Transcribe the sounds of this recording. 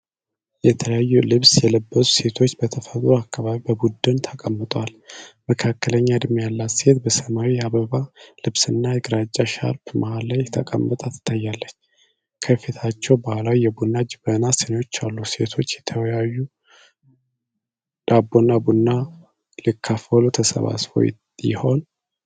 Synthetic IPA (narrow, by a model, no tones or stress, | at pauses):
jɛt̪ʰələjajːulɨβsjɛləbːəsu̥se̞t̪ʰo̞t͡ʃːbət̪ʰəfət̪ʼɾuakːaβaβibəbud̪ːɨnt̪ʰəkʼəmːɨt̪ʼwalməkʰakːələɲːad̪ɨmjalːat̪se̞t̪bəsəmawiaβəβalɨβsɨnːajɪɡɾad͡ʒt͡ʃʼːaʃa̰ɾpmʔahalːajɛt̪ʰəkʼə̰mːət̪ʼat̪ʰɨ̥t̪ʰːajːalːət͡ʃː | kʰəfit̪ʰat͡ʃːɛwbahlawijɛbunːad͡ʒɪbənasenot͡ʃːalːuse̞t̪ʰo̞t͡ʃːjɛt̪ʰəwjajːu | d̪̥abːonːabunːa | likʰːafəlut̪ʰəsə̰βa̰sfo̰j̰ | jɪ̰ho̞n